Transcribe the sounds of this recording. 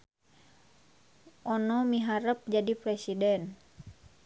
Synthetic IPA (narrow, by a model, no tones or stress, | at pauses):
ʔɔnɔmiɦaɾəp̚d͡ʒadipɾɛsidɛn